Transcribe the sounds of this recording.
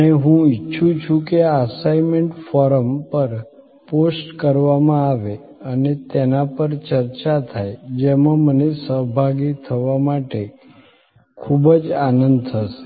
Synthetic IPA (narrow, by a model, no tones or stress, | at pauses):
əneɦũitːʃʰũt͡ʃʰũkeəsajmeɳʈfɔɾəmpəɾ | posʈkəɾʋamãaʋe | ənet̪enapəɾt͡ʃəɾt͡ʃat̪ʰajd͡ʒemãmənesəɦbʱaɡit̪ʰəʋamaʈe | kʰubəd͡ʒanənd̪̚t̪ʰəse̥